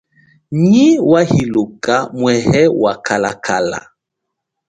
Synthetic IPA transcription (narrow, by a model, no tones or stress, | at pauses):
ɲiwahilokamwɛhɛwakʰala̰kʰala̰